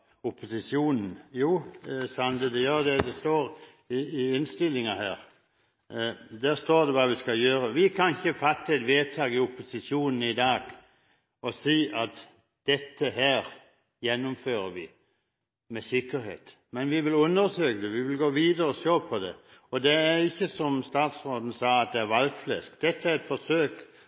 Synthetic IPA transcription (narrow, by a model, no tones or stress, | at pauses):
ʊpʰːʊsɪsjuːnn̩juːsɑnd̪əd̪ɛjɑːd̪ɛd̪ɛst̪oːɾ | ɪɪɪnst̪ɪlːɪŋɑhæːɾ | d̪æːɾst̪oːɾd̪ɛʋɑːʋɪskɑljøːɾəʋɪkʰɑnɪçəfɑt̪ːəɛt̪ʋeːt̪ʰɑːɡɪʊpʊsɪsjuːnn̩ɪd̪ɑːɡ | ɔsiːʔɑt̪ | d̪̥ɛt̪ːəɦæːɾ | jɛnːʊmføːɾəʋɪ | mɛsɪkːəɾhḛːt̪ | mɛnʋɪʋɪlʉnːəɾsøːkəd̪ɛʋɪʋɪlɡoːʋiːd̪əɾəɔʃoːpʰɔd̪ɛ̰ɔd̪ɛæɾɪçːəsɔmst̪ɑːt̪sʁoːd̪n̩sɑːɑt̪̚d̪ɛæɾʋɑlɡflɛskd̪̥ɛt̪ːəæɾɛt̪fɔʂøːk